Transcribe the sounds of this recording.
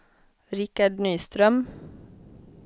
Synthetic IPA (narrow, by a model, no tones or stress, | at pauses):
ɾɪkaɖnyːst̪ɾœm